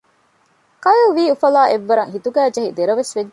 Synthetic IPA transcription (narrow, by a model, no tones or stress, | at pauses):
kɐjuːʋiːufɐlaːʔeʋːɐɾɐŋhit̪uɡæːd͡ʒɐɦid̪eɾɐʋesʋeɡ